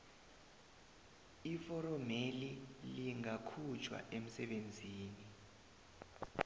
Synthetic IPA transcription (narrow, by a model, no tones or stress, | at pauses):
ifɔɾɔmeliliŋakʰut͡ʃʰwa̰ʔem̩sɛɓend͡zʱiːni